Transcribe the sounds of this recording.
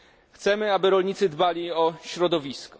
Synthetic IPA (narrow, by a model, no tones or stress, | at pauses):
xt̪sɛmɘabɘɾɔlɲit̪sɘd̪balʲiɔɕɾɔd̪ɔvʲiskɔ̥